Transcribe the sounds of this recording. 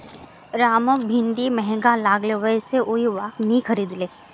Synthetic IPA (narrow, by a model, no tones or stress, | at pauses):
ɾaːməbʱɪ̃nɖ̪imɛɦɛ̃ŋɡalaːɡleʋəɛseʔoiʋaːknəĩxʰɐɾiːd̪leː